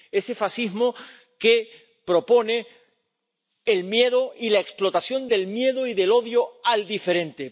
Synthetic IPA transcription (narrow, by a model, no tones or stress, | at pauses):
e̞se̞fasizmo | ke̞ | pɾo̞po̞ne̞ | lmje̞ðoilaeksplo̞t̪asjo̞nd̪e̞lmje̞ðoiðe̞lo̞ðjoald̪ife̞ɾẽ̞nt̪e̞